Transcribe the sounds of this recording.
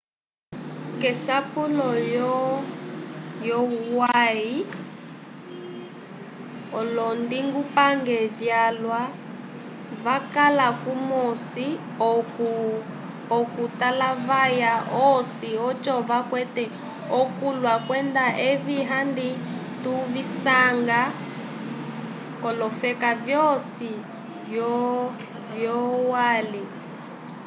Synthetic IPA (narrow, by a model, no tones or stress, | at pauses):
kɛsapulɔjɔ | jɔuwai | ɔlɔndiŋɡupaŋɡɛvjalwa | βakalakumosi | ɔkutalaβajaɔsiɔt͡ʃʼɔβakwɛtɛ | ɔkulwakwɛnd̪aʔeβiɦandituβisaŋɡa | kɔlɔfɛkavjɔsi | vjɔ | vjɔwaːli